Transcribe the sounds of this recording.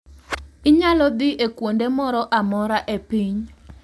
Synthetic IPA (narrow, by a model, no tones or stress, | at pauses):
ɪɲalɔd̪ɪʔekwondemɔɾɔʔamɔɾaʔepiɲ